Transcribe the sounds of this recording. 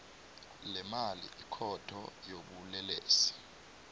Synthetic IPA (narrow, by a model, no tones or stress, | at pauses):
lɛmalḭʔikʰɔtʰɔ̰joɓulɛleːsi̥